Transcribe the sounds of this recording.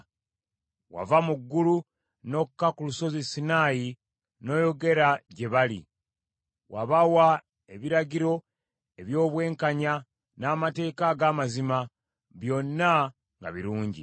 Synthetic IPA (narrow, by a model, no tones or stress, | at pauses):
wa̰vamuɡːulu | no̞kːakuluso̞zisinaːji | no̞ːjo̞ɡe̞ɾaɟe̞βalḭ | wa̰βawa | e̞βiɾaɟiɾo̞ | e̞βjo̞ːβwe̞ːŋkaɲa | naːmate̞ːkaɡaːmazima | βjo̞nːa | ŋɡa̰βiɾuːɲɟḭ